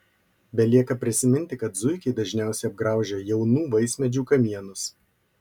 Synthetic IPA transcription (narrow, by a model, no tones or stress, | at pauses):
bʲɛlʲiɛkɐpʲɾʲɪsʲɪmʲɪnʲt̪ʲɪkɐt̪zʊɪkʲɛɪd̪ɐʒʲnʲæˑʊsʲɛɪɐb̚ɡɾɑˑʊʒʲɛjɛʊnuːʋɐɪsʲmʲɛd͡ʒʲuːkɐmʲiɛnʊs